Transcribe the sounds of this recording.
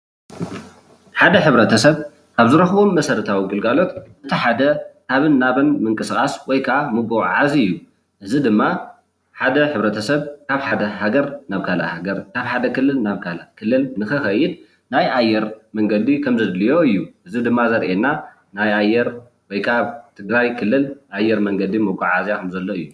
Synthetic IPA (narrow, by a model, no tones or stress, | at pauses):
ħad̪ɐħɨβɾɐt̪ʰɐsɐβ | kʰaβzɨɾɐxbomːɐsɐɾɨt̪ʰawiɡɨlɡalo̞t̪ʔɨt̪ʰiħad̪ɐkʰaβɨnːaβɐnmɨŋkʼɨsɨkʼaswɔjkʰaʔamɨɡuʕazɨjːu | ʔɨzid̪ɨmːa | ħad̪ɐħɨβɾɐt̪ʰɐsɐβkʰaβħad̪ɐhaɡɐɾnaβkʰala̰haɡɐɾkʰaβħad̪ɐkɨlːɨlnaβkʰalakʰɨlːɨlnɨxɨxɐjːɪd̪̚ | najʔajːɛɾmɐŋɡɐd̪ikʰɐmzɐd̪lijo̞ɨjːuʔɨzid̪ɨmːazɐɾʔenːa | najajːɛɾ | wɔjkʰaβt̪ʰɨɡɾajkʰɨlːɨlʔajːɛɾmɐŋɡɐd̪imɨɡʼuʕazjakʰɐmzɐlːoɨjːu